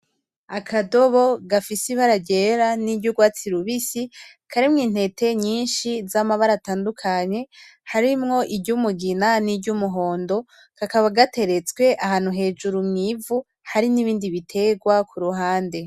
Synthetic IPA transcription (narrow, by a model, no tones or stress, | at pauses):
akʰado̞βo̞ɡafisiβaɾaɟe̞ɾanibɟuɡwaːt͡siɾuβisi | kʰaɾimŋiːn̥he̞tʰe̞ɲiːnʃizamaβaɾataːndukʰaɲe̞haɾimŋo̞ʔibɟumuɡinanibɟumuɦo̞ːndo̞ | kakaβaɡatʰe̞ɾet͡skwe̞ʔahaːn̥uɦe̞ːd͡ʒuɾumŋivu | haɾiniβiːndiβitʰe̞ːɡwakʰuɾuɦaːnde̞